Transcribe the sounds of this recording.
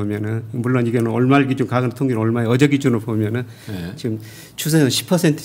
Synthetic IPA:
omjʌnɯnmuɭːoniɡenʌɭmaɭɡid͡ʑunkaɡɯntʰoŋɡinoɭmaeʌd͡ʑʌɡid͡ʑunɯɭbomjʌnɯn | t͡ɕiɡɯm | t͡ɕʰus̬ʰeʌɕʰi̥pʰʌsʰentʰɯ̥

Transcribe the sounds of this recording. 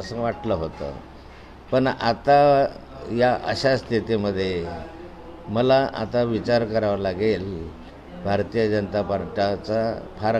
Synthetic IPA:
əsəŋɡʋaʈləɦot̪ə̰ | pəɳa̰t̪a | jaʔə̰ɕast̪ʰit̪iməd̪ʱːje | məlaʔa̰t̪aʋit͡ɕaɾkəɾaʋalaɡel | bʱaɾt̪ijəd͡ʑənət̪apaɾʈat͡sapʰaɾ

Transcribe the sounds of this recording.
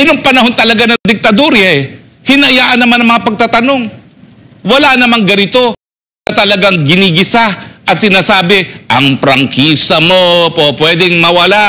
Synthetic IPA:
ɐnoŋpɐnɐho̞nt̪ɐlɐɡanɐd̪ɪk̚t̪ɐd̪oɾjɐɛ | hɪnɐjaːʔɐnɐmanɐŋmɐŋapɐɡ̚t̪at̪ɐno̞ŋ | wɐlanɐmaŋɡɐnɪt̪o̞ | nɐt̪ɐlɐɡaŋɡɪniɡɪsaʔɐt̪̚sɪnaːsaːbɪʔɐŋpɾɐŋkʰiːsɐmo̞popwɛːd̪ɪŋmɐwɐla

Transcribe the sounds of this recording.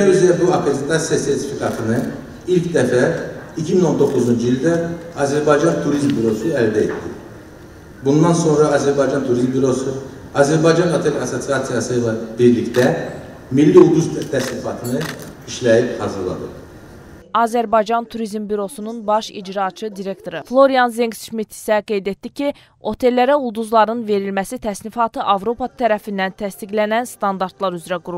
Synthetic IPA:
æɾyzjæbuɑpʰɾezet̪ʰɑsijɑse̞ɾt̪ʰi̥fikʰɑt̪ʰɯnɯ | ilcʰd̪æfæicʰimino̞nd̪o̞kːuzund͡ʒɯilˠʲd̪æɑzæɾbɑjd͡ʒɑnt̪ʰuɾizmbyɾo̞suæld̪æḛt̪d̪i | bund̪ɑnso̞nɾɑːzæɾbɑjd͡ʒɑnt̪ʰuɾizmbyɾo̞su | ɑzæɾbɑjd͡ʒɑnɑt̪ʰelɑso̞siɑsijɑsɯjlˠɑbiɾlict̪æ | milːiulˠd̪uzt̪ʰæslifɑt̪ʰɯnɯiʃlæjiphɑzɯɾlˠɑ̰d̪ɯ | ɑːzæɾbɑjd͡ʒɑnt̪ʰuɾizmbyɾo̞sununbɑʃḭd͡ʒɾɑt͡ʃʰɯd̪iɾe̞kt̪ʰo̞ɾɯflˠo̞ɾijɑnzeŋsʃmit̪ʰi̥sæɡe̞jd̪e̞t̪d̪icʰi | o̞t̪ʰe̞lːæɾæulˠd̪uzlˠɑɾɯnve̞ɾilmæsit̪ʰæslifɑt̪ʰɯʔɑvɾo̞pʰɑt̪ʰæɾæfind̪ænt̪ʰæst̪iɡlænænst̪ɑnd̪ɑɾt̪lˠɑɾyzɾæɡuɾu

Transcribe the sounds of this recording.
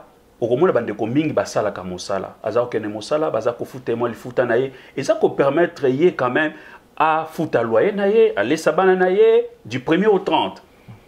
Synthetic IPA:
okomɔnabandekomiŋɡibasalakamosa̰la̰a̰zakokɛnɛmosalabazakofutemãlifutanajeezakopɛʁmɛtʁejekãmɛm | afutalwajenajealesabananajedypʁemjeotʁɑ̃t

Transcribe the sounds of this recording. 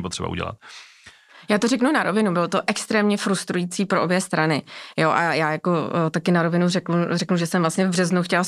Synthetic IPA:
pot̪r̥ɛba̰ṵɟɛ̰la̰t̪ | jaːt̪orɛknunaɾovɪnubɪlot̪oʔɛkst̪ɾɛːmɲɛfɾust̪ɾujit͡siːpɾoʔobjɛst̪ɾanɪjoʔajaːjakot̪akɪnaɾo̞vɪnurɛknurɛknuʒɛsɛmvlast̪ɲɛvbrɛznuxcɛl

